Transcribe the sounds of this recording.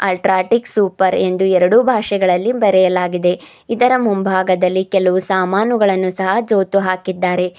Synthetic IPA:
ɐ̰lʈɾaːʈiksuːpɐɾe̞nd̪uɛɾɐɽubʱaːʃɛɡɐɭɐlːibɐɾɛjɐlaːɡid̪e̞ | id̪ɐɾɐmumbʱaːɡɐd̪ɐlːikɛlɐʋusaːmaːnuɡɐɭɐnːusɐɦɐd͡ʒoːt̪uɦaːkid̪ːaːɾe̞

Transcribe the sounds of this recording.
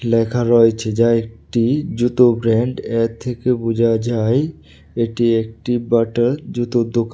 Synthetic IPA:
lɛkʰaɾɔjt͡ɕʰed͡ʑaek̚ʈid͡ʒɾut̪obɾɛɳɖɛk̚t̪ʰːekebud͡ʑʱad͡ʑae | eʈiek̚ʈibaʈaɾd͡ʒut̪od̪oka

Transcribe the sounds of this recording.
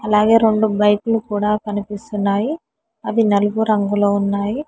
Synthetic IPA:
ɐlaːɡe̞ːɾo̞ɳɖubɐjʈulukuːɽaːpɐnipist̪unːaːji | ɐd̪inɐluɡuɾɐŋɡulo̞ːunːaːji

